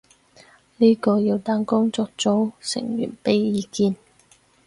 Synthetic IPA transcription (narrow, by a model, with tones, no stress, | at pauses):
niː˥kɔː˧jiː˧wt̪aː˨˥nkʊ˥ŋt͡sɔː˨k̚t͡so˨˥wsɪ̰˨˩ŋjy̰ː˨˩npe˨˧jːiː˨˧kiː˧n